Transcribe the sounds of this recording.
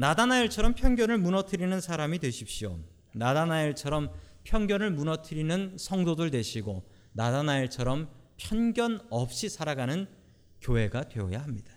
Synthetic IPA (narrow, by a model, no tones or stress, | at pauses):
nadanaiɭt͡ɕʰʌɾʌmpʰjʌnɡjʌnɯɭmunʌtʰɯɾinɯnsʰaɾamidweɕʰip̚ɕio̰ | nadanaiɭt͡ɕʰʌɾʌmpʰjʌŋɡjʌnɯɭmunʌtʰɯɾinɯnsʰʌŋdodɯɭte̞ɕʰiɡo | nadanaiɭt͡ɕʰʌɾʌmpʰjʌnɡjʌnʌp̚ɕ͈isʰaɾaɡanɯn | kjoɦe̞ɡadwe̞ʌ̰jaɦamɲid̥ḁ